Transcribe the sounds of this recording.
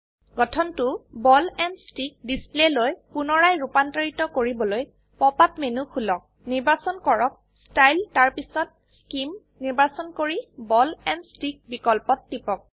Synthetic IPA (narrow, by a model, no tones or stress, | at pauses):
ɡ̥ɔtʰɔntʊbɔlɛnstik̚displelojpunɔɹajɹupantaɹitɔkoɹibɔloj | pɔpapmenukʰulɔk̚ | niɹbasɔnkɔɹɔk̚ | stajltaɹpisɔt̚ | skim | niɹbasɔnkoɹibɔlɛnstik̚bikɔlpɔtːipɔk̚